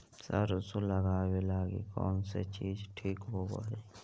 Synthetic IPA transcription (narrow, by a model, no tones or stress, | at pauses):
sɐ̰ɾsoləɡaːwelaːɡḛkɔ̰ːnset͡ʃiːd͡ʒʈʰiːkɦoːbo̰ːe